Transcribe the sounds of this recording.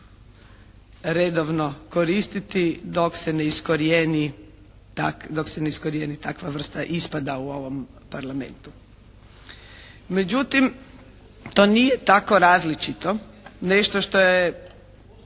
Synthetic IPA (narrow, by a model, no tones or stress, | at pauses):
ɾed̪oʋnoko̞ɾist̪it̪id̪o̞ksene̞iskoɾijeni | t̪akd̪o̞kseneiskoɾjenit̪akʋaʋr̩st̪aʔispad̪auo̞ʋo̞m | paɾlame̞̰nt̪u̥ | med͡ʒut̪im | t̪oːnijet̪ako̞ɾaːzlit͡ʃit̪o̞neʃt̪oʃt̪o̞je